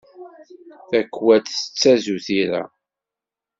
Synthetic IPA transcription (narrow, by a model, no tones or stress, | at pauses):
θækːwæt̪sə̥t͡sːæzuθiɾa̰